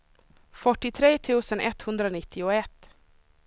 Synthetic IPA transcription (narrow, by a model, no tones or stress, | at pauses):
fœʈːɪt̪ʰɾeːt̪ʰʉːsənʔɛt̪hɵnd̪ɾəoːnɪt̪ʰːɪʊɛt̪